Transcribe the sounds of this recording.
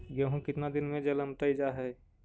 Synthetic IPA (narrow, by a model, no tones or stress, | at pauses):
ɡəɦũkɪt̪nad̪ɪnmẽd͡ʒɐləmt̪əid͡ʒaɦɛ